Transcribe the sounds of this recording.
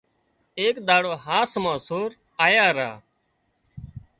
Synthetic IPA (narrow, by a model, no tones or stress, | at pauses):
eːkɗ̪aːɽoːɦaːsmãːsoːɾ | aːjaːɾaː